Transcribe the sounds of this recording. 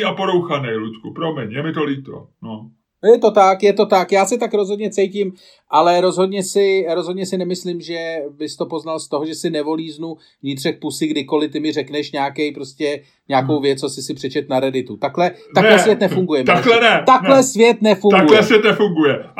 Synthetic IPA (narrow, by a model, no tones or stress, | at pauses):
apoɾowxanɛjluc̪kupɾomɛɲjɛmɪt̪oliːt̪o̰ | no | jɛt̪o̞t̪akjɛt̪o̞t̪akjaːsɪt̪akɾo̞zɦo̞dɲɛt͡sɛjcɪm | ʔalɛɾo̞zɦo̞dɲɛsɪɾo̞zɦodɲɛsɪnɛmɪslɪmʒɛbɪst̪o̞po̞znalst̪o̞ɦoʒɛsɪnɛvo̞liːznu | vɲɪt̪r̝̥ɛk̚pusɪɡdɪko̞lɪt̪ɪmɪr̝ɛknɛʃɲaːkɛjpɾo̞scɛ | ɲaːkowvjɛt͡sosɪsɪpr̥ɛt͡ʃɛt̪naɾɛdɪt̪ut̪aklɛalɛsvjɛt̪nɛfuŋɡujɛmt̪aklɛnɛt̪aklɛsvjɛt̪nɛfuŋaɡujlɛsvjɛt̪nɛfuŋɡujɛ